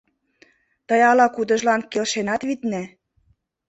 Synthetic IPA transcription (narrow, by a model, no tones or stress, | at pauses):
t̪ɤjɑlɑkud̪ɤ̆ʒlɑnkelʃenɑt̪βit̪næ